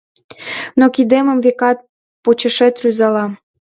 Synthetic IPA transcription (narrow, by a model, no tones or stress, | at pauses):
nokid̪emə̆mvekɑt̪̚ | pot͡ɕə̆ʃet̪ryzɑlɑ